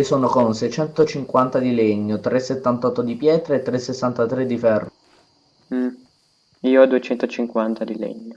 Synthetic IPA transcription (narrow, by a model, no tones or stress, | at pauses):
soːnokonsɛjt͡ʃɛnt̪ot͡ʃiŋkwant̪ad̪ileɲːot̪ɾesːet̪ːant̪ɔt̪ːod̪ipjɛːt̪ɾeet̪ːɾesːesːant̪at̪ɾed̪ːifɛrː | m̩ | iːoɔd̪uet͡ʃɛnt̪ot͡ʃiŋkwant̪ʰad̪ilḛɲːo